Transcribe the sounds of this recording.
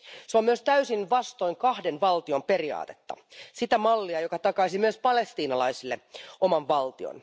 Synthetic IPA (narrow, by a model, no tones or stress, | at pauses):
seomyøst̪æysinʋɑst̪o̞jŋkɑhdenʋɑlt̪io̞mperiɑ̰ːt̪e̥t̪ːɑ̰sit̪æmɑlːiɑjokɑt̪ɑkɑisimyøspɑle̞st̪iːnɑlɑisilːeomɑʋʋɑlt̪io̰n